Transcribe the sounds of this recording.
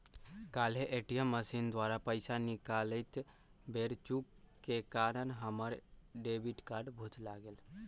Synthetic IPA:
kalɦeʔeʈijəmːəsind̪waɾapəɪsanikaləɪt̪ | beɾt͡ʃukkːekaɾənɦəməɾɖebiʈkaɾɖbʱut̪laɡeːl

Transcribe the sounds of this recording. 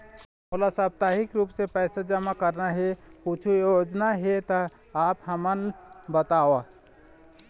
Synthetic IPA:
olasab̚t̪aɦikɾupsepɛɪsad͡ʒəmakəɾnaɦeput͡ʃʰujod͡ʒnaɦet̪ə | apɦəmənbət̪awa

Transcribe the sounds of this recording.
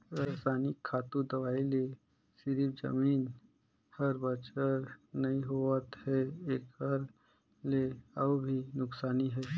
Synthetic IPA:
ɾəːsaːnɪkʰːaːt̪ud̪ɐʋaːile | sɪɾifd͡ʒə̰miːn | həɾbət͡ʃəɾnɐiɦoət̪hɛeːkəɾ | leəbbʱinʊksaːniɦɛː

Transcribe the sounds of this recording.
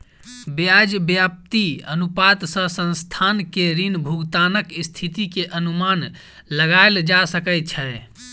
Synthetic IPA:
bjad͡ʒbjap̚t̪iənupat̪sə̃sə̃nst̪ʰankeɾinbʱuɡt̪anəkist̪ʰit̪ikeʔənuman | ləɡaeld͡ʒasəkɛt͡ʃʰɛ

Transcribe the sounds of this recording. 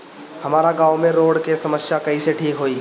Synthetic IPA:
hɐmaːɾaɡaːwmẽɾoːɽkesɐməsjakɐɦiseʈʰiːkɦoːiː

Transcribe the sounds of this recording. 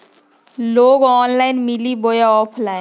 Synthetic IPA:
loːɡɔːnlaːɪnmɪliboːjaɔːpʰlaːɪn

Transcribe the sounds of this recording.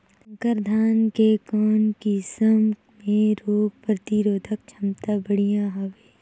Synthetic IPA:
kəɾd̪ʱaːnkekɔːnkisəm | mẽɾoːppɾɐt̪iɾoːd̪ʱək̚t͡ʃʰɐmt̪abɐɽijãːɦɐʋeː

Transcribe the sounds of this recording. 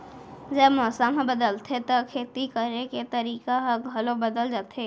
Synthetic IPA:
d͡ʒəbmɔːsamɦẽbəd̪əlt̪ʰet̪okʰeːt̪ikəɾeket̪ɐɾiːkaɦɐɡʱɐlõbɐd̪əld͡ʒaːt̪ʰeː

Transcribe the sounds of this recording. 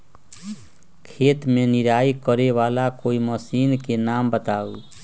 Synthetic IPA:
kʰet̪meniɾaikəɾeʋalakoiməsinkenambət̪au

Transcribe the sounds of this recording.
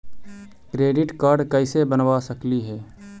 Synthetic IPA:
kɾeːɖɪʈkaːɾɖkəɪsebənwasəkliɦɛː

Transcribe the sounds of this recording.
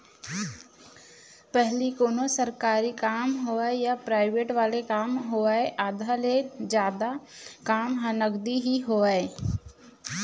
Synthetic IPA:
pɛɦlikoːnosəɾkaːɾikaːmɦoːaejapɾaːɪʋeːʈʋaːlekaːmɦoːaeʔaːd̪aled͡ʒjaːd̪a | kaːmɦə̃nəɡd̪iɦiɦoːae

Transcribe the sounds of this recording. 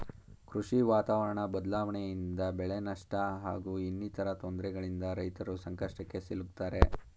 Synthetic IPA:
kɾuʂiʋaːt̪aːʋɐɾɐɳɐbɐd̪laːʋɐɳejind̪ɐbɛɭenɐʂʈɐɦa̰ːɡuːinːit̪ʰɐɾɐt̪oːnd̪ɾɛɡɐɭind̪ɐɾɐjt̪ɐɾusɐŋkɐʂʈɐkːe̞siluk̚t̪ːaːɾe

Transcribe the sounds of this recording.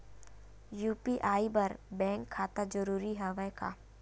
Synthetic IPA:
juːpiʔaːibɐɾbɛ̃ːŋkʰːaːt̪ad͡ʒəɾuːɾiɦɛʋɛka̰ː

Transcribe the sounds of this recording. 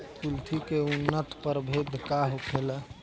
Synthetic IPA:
pult̪ʰikeunːət̪pəɾbʱed̪ʱkaɦukʰelə

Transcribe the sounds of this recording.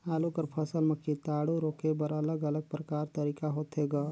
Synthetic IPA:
aːlukəɾpʰɐsəlmɐkʰːit̪aːɽoɾoːkebəɾɐləɡɐləɡ̚pɾəkaːɾt̪ɐɾiːkaɦoːt̪ɦeːɡaː

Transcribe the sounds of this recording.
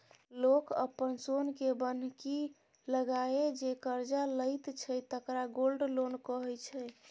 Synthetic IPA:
lokə̰pːənsonkebən̤ki | ləɡaed͡ʒekəɾd͡ʒaləjt̪t͡ʃʰəjt̪əkɾaɡolɖlonkəɦɛt͡ʃʰɛ

